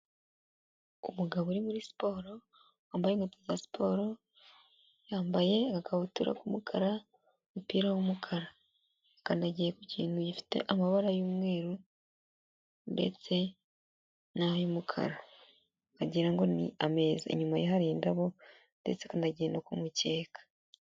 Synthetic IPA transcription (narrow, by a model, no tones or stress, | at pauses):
umuɡaβoɾimuɾisi̥po̞ɾo̞ | waːmbajeŋɡetizasi̥pʰo̞ːɾo̞ | jaːmbaje̞kakaβutuɾʔa̰kumukʰaɾa | mupiːɾawumukʰaɾa | kandaɟijekuciːnujifi̥te̞̰ʔamaβaɾajuːmwe̞ːɾu | nde̞̰t͡se̞ | najomukʰa̰ɾa | aɟiːɾaŋɡo̞nḭame̞ːzaḛɲumajeɦaɾiːndaβo̞ | nde̞̰t͡sekandaɟeːndakumuceːkḁ